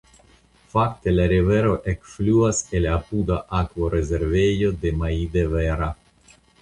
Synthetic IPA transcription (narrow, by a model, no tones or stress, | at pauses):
fakt̪elaɾiveɾo̞ʔekfluaselapud̪aʔakvoɾezeɾvejod̪e̞maid̪eveɾa